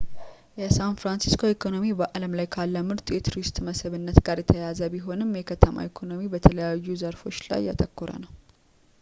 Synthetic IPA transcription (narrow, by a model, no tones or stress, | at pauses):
jɛsanfɾansi̥skʰo̞ikʰo̞no̞mibəʔaləmlajkʰalːəmɨɾt̪ʼjɛt̪ʰuɾist̪ʼməsɨβɨnːət̪ɡaɾjɛt̪ʰəjazəbiɦo̞nɨmjɛkʰət̪ʰəma̰ikʰo̞no̞mibət̪ʰələjajːuzəɾfo̞t͡ʃːla̰jːa̰t̪ʼəkːuɾə̰nəw